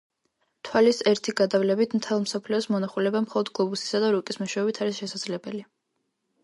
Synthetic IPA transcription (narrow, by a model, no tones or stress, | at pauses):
t̪ʰwalisɛɾt̪ʰiɡad̪avlɛbit̪ʰmt̪ʰɛlˠmsɔpʰliɔsmɔnaχulɛbamχɔlˠɔd̪ɡlˠɔbusi̥sad̪aɾukʼismɔʃwɛɔbit̪ʰaɾisʃɛsad̪z̥lɛbɛli